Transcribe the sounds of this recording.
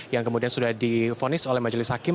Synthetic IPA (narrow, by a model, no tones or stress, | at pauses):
jaŋkəmudiansudahdifonɪsolɛhmad͡ʒəlɪshakɪ